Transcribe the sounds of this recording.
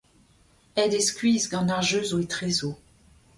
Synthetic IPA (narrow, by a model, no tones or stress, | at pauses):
ɛd̪eskʲɥizɡɑ̃naʁʒøzoet̪χezo